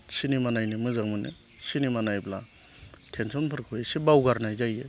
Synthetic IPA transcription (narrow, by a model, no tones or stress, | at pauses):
sinimanajnemɯzaŋmɯnḛ | sinimanajbla | tʰensɔnpʰɯɾkʰɯjsebawɡaɾnajzaje